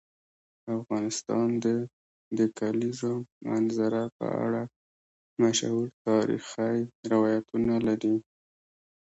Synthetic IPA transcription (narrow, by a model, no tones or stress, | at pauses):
afɣɑnɪst̪ɑnd̪ə | d̪əkalizomanzaɾapə̰a̰ɽa | maʃhuɾt̪ɑɾḭxajɾɪwɑjat̪unalaɾi